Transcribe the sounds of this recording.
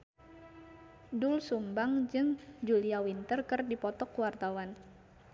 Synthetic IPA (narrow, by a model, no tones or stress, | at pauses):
dʊlsumbaŋd͡ʒɨŋd͡ʒuliawint̪ərkɨrdipɔt̪ɔkuwart̪awan